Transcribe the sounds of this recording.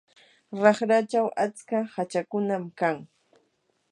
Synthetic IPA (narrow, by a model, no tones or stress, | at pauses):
ɾɑχɾat͡ʃawʔat͡skahat͡ʃakʊnamkaŋ